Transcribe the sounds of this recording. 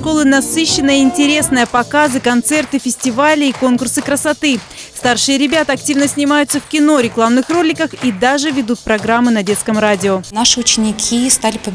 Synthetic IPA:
ʂko̞lˠɨnɐsɨɕːɪnːɨjəɪnʲtʲɪɾʲe̞snɨjəpɐkazɨkɐnt̪sɛrt̪ɨfʲɪsʲtʲɪvalʲɪːko̞nkʊrsɨkɾəsɐt̪ɨ | st̪arʂɨjəɾʲɪbʲat̪əɐktʲivnəsʲnʲɪmajʊt̪səfkʲɪno̞ɾʲɪklˠamnɨxro̞lʲɪkəxid̪aʐɨvʲɪd̪ut̪̚pɾɐɡɾamːɨnɐdʲe̞t̪skəmradʲɪonaʂɨʊt͡ɕɪnʲɪkʲʰist̪alʲɪpə

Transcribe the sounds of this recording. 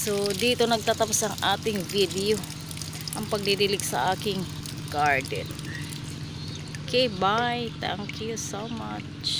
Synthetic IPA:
sod̪iːt̪o̞nɐɡ̚t̪aːt̪ɐposɐŋʔaːt̪ɪŋvid̪ɛo | ʔɐŋpɐɡ̚d̪id̪ɪlɪɡsɐ̰ʔaːkɪŋ | ɡ̥aɹd̪ɛ̰n | kʰebajt̪æ̰ŋkjusowma | t͡ʃ

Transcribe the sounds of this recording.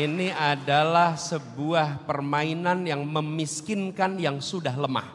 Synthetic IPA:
iniadalahsəbuahpərmainanjaŋməmiskɪnkanjaŋsudaɦləma̰h

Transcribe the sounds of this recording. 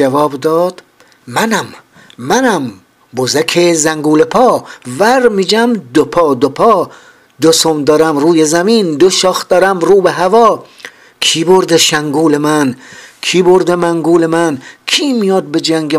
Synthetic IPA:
d͡ʒævɒːbd̪ɒːd̪̥ | mænæmː | ænæm | bozækʰezæŋɡuːlepʰɒːvæɾmiːd͡ʒæmd̪opʰɒːd̪opʰɒː | d̪osomd̪ɒːɾæmɾuːjezæmiːnd̪oʃɒːxd̪̥ɒːɾæmɾuːbeɦævɒː | kʰiːboɾd̪eʃæŋɡuːlemænkʰiːboɾd̪emæŋɡuːlemænkʰiːmijɒːd̪̚bed͡ʒæŋɡe

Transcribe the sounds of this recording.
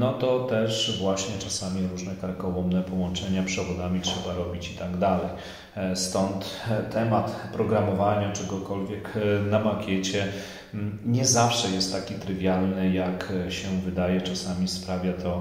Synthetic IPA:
nɔt̪ɔt̪ɛʂvwaɕɲɛt͡ʂasamʲiɾuʐnɛkaɾkɔwɔmnɛpɔwɔ̃nt͡ʂɛɲapʂɛvɔd̪amʲitʂɛbaɾɔbʲit͡ɕit̪aɡd̪alɛj | st̪ɔnt̪t̪ʰːɛmat̪pɾɔɡɾamɔvaɲat͡ʂɛɡɔkɔlvʲjɛknamakʲɛt͡ɕɛ | ɲɛzafʂɛjɛst̪ːakʲit̪ɾɘvʲjalnɘjakɕɛvɘd̪ajɛt͡ʂasamʲispɾavʲjat̪ʰɔ

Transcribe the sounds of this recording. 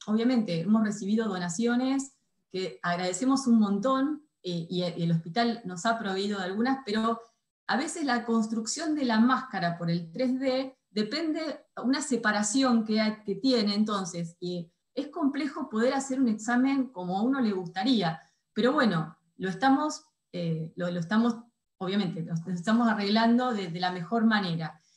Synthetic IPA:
o̞β̞jamẽ̞nt̪e̞emo̞sresiβ̞ið̞o̞ð̞o̞nasjo̞ne̞s | keaɣɾað̞e̞se̞mo̞sunmõ̞nt̪o̞n | eielo̞spit̪alno̞sapɾo̞βeið̞o̞ðalɣunaspeɾo | aβe̞se̞slako̞ns̬t̪ɾuksjo̞nd̪e̞lamaskaɾapo̞ɾe̞lt̪ɾezðe | ðe̞pe̞nd̪eunasepaɾasjo̞ŋkeake̞t̪je̞neːnt̪o̞nse̞si | e̞hko̞mple̞xo̞po̞ð̞e̞ɾase̞ɾune̞ksamẽ̞ŋko̞mo̞auno̞le̞ɣ̞ust̪aɾia | pe̞ɾo̞β̞we̞no̞ | lo̞est̪amo̞s | eloloest̪amo̞s | o̞β̞jame̞nt̪e̞lonos̬est̪amo̞sare̞ɣland̪o̞ðeðelame̞xo̞ɾmane̞ɾa

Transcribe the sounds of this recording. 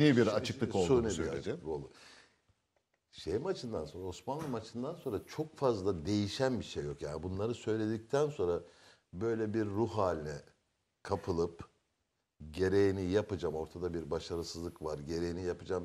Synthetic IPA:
nibiɾat͡ʃʰɯklˠɯkounibiɾat͡ʃɯklˠɯko̞lˠd̪ʊ | ʃejimat͡ʃʰɯnd̪anso̞nɾaosmanlˠɯmat͡ʃʰɯnd̪anso̞nɾat͡ʃʰo̞kfazlˠad̪e̞jiʃænbiʃejːo̞kja̰ːnibunlˠaɾɯsø̞jlʲe̞d̪ic̚t̪ʰænso̞nɾa | bø̞jlʲɛbiɾːuhaːlʲinɛ | kʰapʰɯlˠɯp | ɟe̞ɾe̞jinijapad͡ʒamo̞ɾt̪ʰad̪abiɾbaʃaɾɯsɯzlˠɯkvaɾɟe̞ɾe̞jinijapad͡ʒam

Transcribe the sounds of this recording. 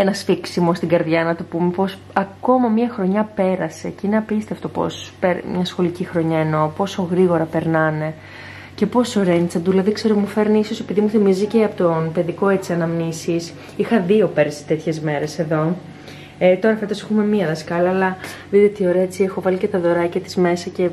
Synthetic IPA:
enɐsfiksimo̞st̪iɡɐɾðʝɐnɐt̪o̞pumepo̞s | ɐko̞mɐmiɐxɾo̞ɲɐpe̞ɾɐse̞ceineɐpist̪eft̪o̞po̞̰speɾmɲɐsxo̞licixɾo̞ɲɐeno̞po̞so̞ɣɾiɣo̞ɾɐpe̞ɾnɐne̞ | ce̞po̞so̞ɾent͡sɐd̪ulɐðikse̞ɾomufe̞ɾniiso̞se̞piðimuθimiziceɐpot̪onpe̞ðiko̞e̞t͡siɐnɐmnisis | ixɐðio̞pe̞ɾsi̥t̪e̞t̪çe̞zme̞ɾe̞se̞ðo̞ | et̪o̞ɾɐfet̪osexume̞miɐðɐskɐlɐːlɐðit̪eot̪io̞ɾeɐet͡siexo̞vɐlicet̪ɐðo̞ɾɐcɐt̪i̥zme̞sɐce̞

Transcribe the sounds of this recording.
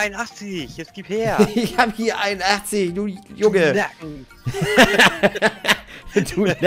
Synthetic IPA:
aɪnaχt͡sɪçɛsɡ̥iːtheːɐɪçhaːbəhiːɐʔaɪnʔaχt͡sɪçduːjʊŋə | duː

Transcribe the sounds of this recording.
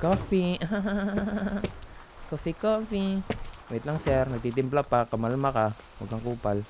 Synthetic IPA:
kofiaɦaa | kofikoːfimoɪt̪laŋsɛɾnɐɡ̚t̪iːt̪ɪmplapakɐmalmaka | mṵɡaŋkuːpal

